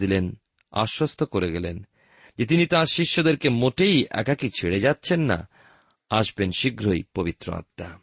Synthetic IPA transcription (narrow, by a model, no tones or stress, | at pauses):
d̪ilen | a̰ʃːost̪ʰokoɾeɡɛlen | d͡ʑet̪̬init̪ãɾʃiʃːod̪eɾkemoʈejɛ̰kakit͡ɕʰeɽed͡ʑatːɕʰenːa̰ | aʃbenʃiɡʱɾojpobit̪ːɾo̰a̰t̪ːa